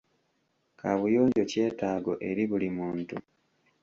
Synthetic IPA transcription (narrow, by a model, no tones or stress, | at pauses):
kʰaβujoːɲɟo̞ce̞ːtaːɡo̞ʔe̞ɾiβulimuːntu